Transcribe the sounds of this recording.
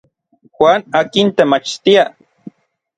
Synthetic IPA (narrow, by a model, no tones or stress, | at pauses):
xwaːnaːkint̪emat͡ʃt̪ia